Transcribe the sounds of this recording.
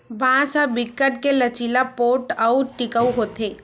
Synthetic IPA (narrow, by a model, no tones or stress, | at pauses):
bãsabɪkːəʈ̚kelət͡ʃilapoːʈəuʈɪkəuɦot̪e